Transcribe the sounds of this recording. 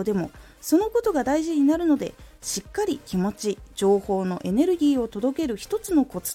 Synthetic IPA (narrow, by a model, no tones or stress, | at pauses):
d̪e̞mo̞̰ | so̞no̞ko̞t̪o̞ɡad̪aiʑiɲ̟inaɾɯ̟no̞d̪e̞̰ɕikːaɾʲikʲimo̞t͡ɕid͡ʑo̞ːho̞ːno̞̰ʔe̞ne̞ɾɯ̟ɡʲiːo̞t̪o̞d̪o̞ke̞ɾɯ̟çi̥t̪o̞t͡sɨno̞ko̞t͡s